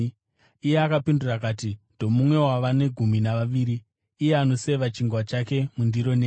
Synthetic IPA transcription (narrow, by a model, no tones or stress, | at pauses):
ije̞akapindurakaːti | d̥ʱo̞mumwe̞waʋane̞ɡʱuminaʋaʋiːɾiː | jeano̞seʋat͡ʃiŋɡwat͡ʃake̞mundiɾo̞neː